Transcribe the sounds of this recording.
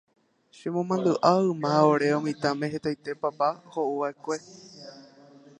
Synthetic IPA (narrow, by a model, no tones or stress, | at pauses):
ʃemõmãnd̪ɨʔaɨmãoɾe̞õmĩt̪ãmẽɦet̪ajt̪e̞papahoʔuʋaekʷe̞